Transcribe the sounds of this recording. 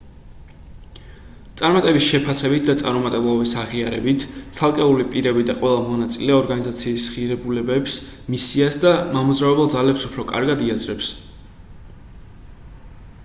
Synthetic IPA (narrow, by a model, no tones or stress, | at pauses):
t̪sʼaɾmat̪ʼɛbisʃɛpʰasɛbit̪̚ʰd̪at̪sʼa̰ɾmɔmat̪ʼɛblˠɔbisaʁiaɾɛbit̪ʰt̪sʰalˠkʼɛulipʼiɾɛbid̪aqʼwɛlˠamɔnat̪sʼilɛɔɾɡanizat̪sʰiːsʁiɾɛbulɛbɛpsmisiasd̪amamuzɾavɛbɛlˠd̪zalɛpsupʰɾɔkʼa̰ɾɡad̪iazɾɛps